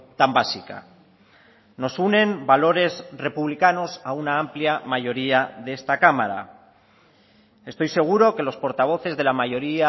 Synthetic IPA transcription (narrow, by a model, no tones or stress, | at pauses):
t̪ambasika̰ | no̞sunẽ̞mbalo̞ɾe̞zre̞puβlikano̞saunaampljamaʝo̞ɾiaðee̞st̪akamaɾa̰ | e̞st̪o̞jse̞ɣ̞uɾo̞ke̞lo̞spo̞ɾt̪aβ̞o̞θe̞zðe̞lamaʝo̞ɾia